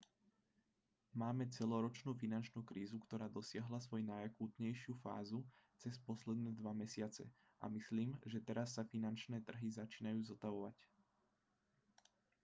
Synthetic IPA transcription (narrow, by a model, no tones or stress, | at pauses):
maːmɛt͡sɛlɔɾɔt͡ʃnuːfinant͡ʃnuːkɾiːzukt̪ɔɾaːd̪ɔsɪaɦlasʋɔjnajakuːt̪ɲɛjʃɪufa̰ːzut͡sɛspɔslɛd̪nɛːd̪ʋamɛsɪat͡sɛ̰ | ʔa̰misliːmʒɛt̪ɛɾasːafinant͡ʃnɛːt̪r̩ɦizat͡ʃiːnajuːzɔt̪aʋɔʋac